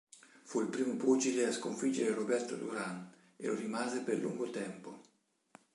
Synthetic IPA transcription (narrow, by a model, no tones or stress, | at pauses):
fuilpɾiːmoput͡ʃileaskoɱfid͡ʒːeɾerobɛrt̪o̰d̪ṵɾan | ḛlorimaːzeperlṵŋɡot̪ɛmpo